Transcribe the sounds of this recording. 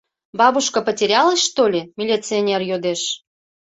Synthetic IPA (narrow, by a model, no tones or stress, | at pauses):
bɑβuʃkɤ̆pətʲeɾʲɑləʃt̪olʲemʲilʲit͡sɨonʲerjod̪eʃ